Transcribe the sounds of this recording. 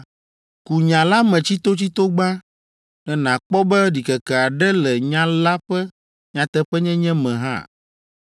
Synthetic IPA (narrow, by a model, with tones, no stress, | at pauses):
ku˨ɲã˨la˦mɛ̃˨t͡ɕi˦t̪o˦t͡ɕi˦t̪o˦ɡ͡bã˦ | nɛ̃˨nã˨k͡pɔ˦bɛ˦ɖi˨kɛ˨kɛ˨a˨ɖɛ˦lɛ˨ɲã˦la˦ɸɛ˦ | ɲã˨t̪ɛ˦ɸɛ˦ɲɛ̃˦ɲɛ̃˦mɛ̃˨ɦã̰˦˨